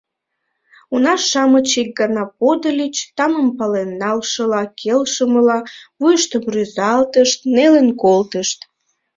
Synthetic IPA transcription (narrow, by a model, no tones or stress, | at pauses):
unɑʃːɑmət͡ɕik̚ɡɑnɑpod̪əlʲit͡ɕt̪ɑməmpɑlenːɑlʃəlɑkʰelʃəməlɑβujəʃt̪əmryzɑlt̪əʃt̪̚nelenkolt̪əʃt̪